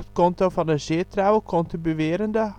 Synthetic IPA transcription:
t̪kʰɔnt̪ɾɑfɑnɛʃeːt̪ʰɾaʊokʰɔnt̪ɪbəʋeːɾənd̪ə

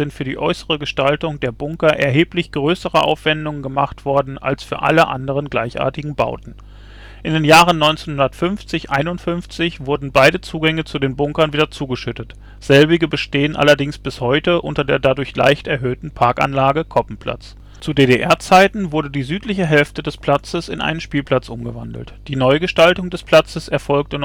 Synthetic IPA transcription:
zɪntfyːɐdḭːʔɔʏsəʁəɡəʃtaltʊŋd̥eːɐbʊŋkɐʔɛɐɦeːplɪçɡ̥ʁøːsəʁəʔa̰ʊfv̥ɛndʊŋənɡəmaχtv̥ɔɐdn̩ʔa̰lsfyːɐʔa̰ləʔa̰ndəʁ̞ənɡlaɪçʔa̰ɐtɪɡŋ̩ba̰ʊtn̩ | ʔɪndeːnjaːʁ̞ənːɔʏnt͡senhʊndɐtfʏnft͡sɪçʔaɪnʊntfʏnft͡sɪçv̥ʊɐdn̩baɪdət͡suːɡɛŋət͡sudeːnbʊŋkɐnviːdɐt͡suːɡəʃʏtət | z̥ɛlbɪɡəbəʃteːənʔa̰lɐdɪŋsb̥ɪshɔʏtəʔʊntɐdeːɐdadʊɐçla̰ɪçtɛɐɦøːtn̩pʰaɐkʔa̰nlaːɡəkʰɔpm̩pʰl̥a̰t͡s | t͡sudeːɾeʔɛɐt͡saɪtn̩vʊɐdədiːzyːtlɪçəɦɛlftədɛspʰl̥at͡səsɪ̰nʔa̰ɪnənʃpiːlpl̥at͡sʔʊmɡəvandl̩td̥iːnɔʏɡəʃtaltʊŋdɛspʰl̥at͡səsɛɐfɔlk̚tən

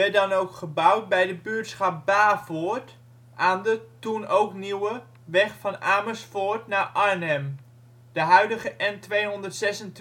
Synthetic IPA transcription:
ɛdɑnowkχəbʌwt̚bɛjdəbyːtsχɑp̚baːfoːɹt | ʔaːndətunowkniwə | ʋɛχfɑnaːməsfʊːɹtnaːɹʔaɹnɛm | d̥əɦœɥdəχəʔɛntʋejɦɔndətsɛsənt

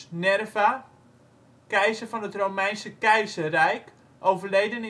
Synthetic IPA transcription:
nɛrva | kɛjzəfɔnətrowmɛjnsəkɛjzərɛjk | ʔowvərlejdən

